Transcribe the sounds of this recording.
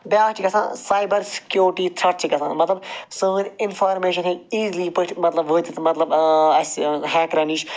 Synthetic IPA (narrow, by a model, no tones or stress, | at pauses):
baːkʈʰikɐsã̰ːsaːjbɐɾsɪ̥kjoːɾʈiːt̪ʰɾɐʈ̚t͡ʃʰikɐsã̰ːmɐt̪lɐbsoːnɪnfaːɾmeːʃɐnɦẽːiːzliːpɨʈʰmɐt̪lɐbʋoːt̪it̪mɐt̪lɐbɐsɦɛːkɾɐniːt͡ʃʰ